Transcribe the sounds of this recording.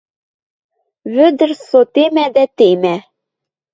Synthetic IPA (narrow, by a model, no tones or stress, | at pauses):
βɘ̆d̪ɘ̆rsot̪emæd̪æt̪emæ